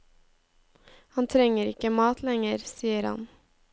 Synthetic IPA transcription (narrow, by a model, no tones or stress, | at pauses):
hɑnt̪ʰɾɛŋəɾɪkəmɑːt̪ʰlɛŋəɾsiːəɾhɑ̰n